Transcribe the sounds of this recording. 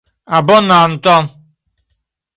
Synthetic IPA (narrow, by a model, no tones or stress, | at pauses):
abɔnan̩t̪ɔm